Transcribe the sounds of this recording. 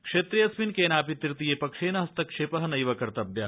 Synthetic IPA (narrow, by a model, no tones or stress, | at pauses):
kʂeːt̪ɾijɐsminkeːnaːpit̪ɾt̪ijeːpɐkʂeːnɐɦɐst̪ɐkʂeːpɐɦɐnɐjʋɐkɐɾt̪ɐbjɐ